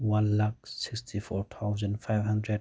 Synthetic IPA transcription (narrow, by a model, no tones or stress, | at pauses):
wãnlak̚sikstʰifɔɾt̪ʰawzə̃nfajvɦãndɾɛd̚